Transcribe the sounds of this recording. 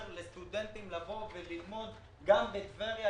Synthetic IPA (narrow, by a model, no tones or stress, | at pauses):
ʁlest̪ud̪ent̪imlavo̞velilmo̞d̪ | ɡambet̪veʁja